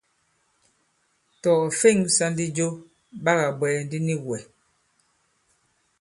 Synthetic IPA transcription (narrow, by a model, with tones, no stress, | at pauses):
tɔ˨fe˦˨ŋsa˦n˦di˦d͡ʒo˦ | ba˦ɣa˨bwɛ˨˦n˦di˦ni˦ɣwɛ˨